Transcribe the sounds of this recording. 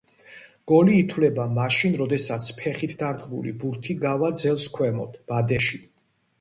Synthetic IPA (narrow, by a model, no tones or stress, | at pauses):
ɡ̥ɔliːt̪ʰwlɛbamaʃinɾɔd̪ɛsat̪sʰpʰɛχit̪ʰd̪aɾd̪ʁbṵlḭbuɾt̪ʰiɡavad̪zɛlˠskʰwɛmɔd̪̥b̥ad̪ɛʃi